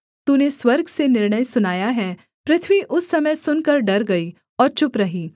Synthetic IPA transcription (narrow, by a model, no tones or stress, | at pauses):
t̪uːneswɐɾɡsenɪɾɳəjsʊnaːjaɦɛː | pɾɪt̪ʰʋiʔʊsːɐməjsʊnkɐɾɖɐɾɡɐi | ɔːɾt͡ʃʊpɾɐɦiː